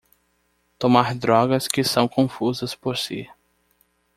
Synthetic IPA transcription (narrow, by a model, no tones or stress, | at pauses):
t̪omaɾd̪ɾɔɡɐskɪsɐ̃w̃kõfuzɐspoɾsḭ